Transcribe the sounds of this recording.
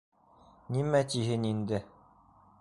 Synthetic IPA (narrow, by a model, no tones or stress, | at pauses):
nimæt̪iɦɘnind̪ɘ